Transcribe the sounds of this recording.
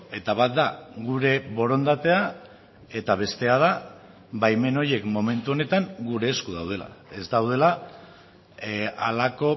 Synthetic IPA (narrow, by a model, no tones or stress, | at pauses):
e̞t̪aβat̪̚d̪aɣuɾe̞βo̞ɾo̞nd̪at̪e̞a | e̞t̪aβ̞e̞st̪e̞að̞a | bajme̞no̞je̞kmo̞me̞nt̪uo̞ne̞t̪aŋɡuɾe̞ːskuð̞awð̞e̞la̰e̞zd̪awðe̞la | a̰lako̞